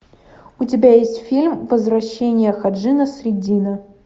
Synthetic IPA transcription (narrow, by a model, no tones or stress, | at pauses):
ʊtʲɪbʲajesʲtʲfʲilʲmvɐzvrɐɕːenʲɪjəxɐʐɨnɐsɾʲɪdʲinɐ